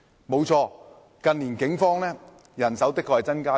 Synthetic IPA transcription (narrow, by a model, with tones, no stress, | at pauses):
mo˨˧wt͡ʃʰɔː˧ | kɐ˨˧nliː˨˩nkɪ˨˥ŋfɔː˥ŋlɛː˥ | jɐ˨˩nsɐ˨˥wt̪ɪ˥kʰːɔ˧hɐ˨˩jt͡sɐ˥nkaː˥